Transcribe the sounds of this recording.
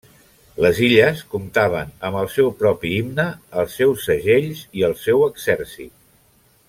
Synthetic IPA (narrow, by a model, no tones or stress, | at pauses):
ləziʎəskumt̪aβ̞ənəmbəlˠsɛwpɾɔpiimnəːlˠsɛwsəʒeʎziəlˠsɛwəɡzɛɾsḭt̪̚